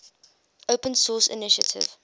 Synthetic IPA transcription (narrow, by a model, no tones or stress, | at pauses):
opə̃nsɔːsɪ̰nɪʃətʰɪ̰v̥